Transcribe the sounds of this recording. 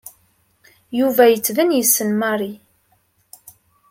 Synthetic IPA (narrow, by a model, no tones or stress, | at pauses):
juvæjət͡sːðənjəsːənmɑɾi